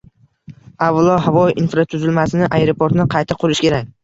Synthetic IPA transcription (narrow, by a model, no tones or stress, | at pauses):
avlˠɒɦavɒʔinfɾat̪ʰʊzɪlmasɪnɪʔajɾopʰoɾt̪nɪqʰɑjt̪ʰɪqʰʊɾɪʃkʲe̞ɾak̚ʲ